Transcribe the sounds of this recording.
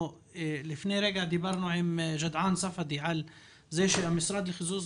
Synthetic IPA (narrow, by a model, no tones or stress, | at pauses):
lɪfneːɾˤeːɡaʕd̪ibɑɾˤnoːʕɪmʒad̪ʕaːnsˤɑfɑd̪iʕal | zeːʃiʔamɪsɾˤɑːd̪lxʊzuːz